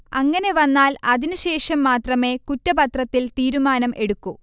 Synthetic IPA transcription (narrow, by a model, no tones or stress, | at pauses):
ɐŋːɐne̞ʋɐnːaːlɐðinuɕe̞ːʂɐmːaːt̪rɐme̞ːkutːɐbɐt̪rɐt̪ːilt̪iːɾumaːnɐmʔe̞ɽukːu